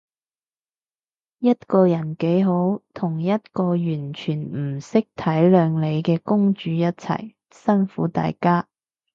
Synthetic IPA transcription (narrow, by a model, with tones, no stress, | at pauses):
jɐ˥t̚kɔː˧jɐ˨˩nke˨˥jɦo˨˥wt̪ʰʊ˨˩ŋjɐ˥t̚kɔː˧jyː˨˩nt͡ʃʰyː˨˩nm̩˨˩sɪ˥k̚t̪ʰɐ˨˥jlœː˨˧ŋle˨˧jkɛː˧kʊ˥ŋt͡ʃyː˨˧jɐ˥t̚t͡sʰɐ̰˨˩j | sɐ˥nfuː˨˥t̪a̰ː˨jkaː˥